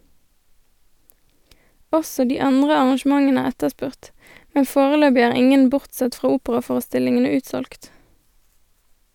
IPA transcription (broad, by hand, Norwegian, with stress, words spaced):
ˈɔsɔ ˈdiː ˈɑndʁə ɑʁɑnˈʃmɑŋən ˈæːʁ ˈɛtəˌspʉʁt ˈmɛn ˈfoːʁəˌløːbɪ ˈæːʁ ˈɪŋən ˈbʊʁtˌsɛt ˈfʁɑː ˈuːpəʁɑˌfoːʁəˌstɪlɪŋənə ˈʉːtsɔlkt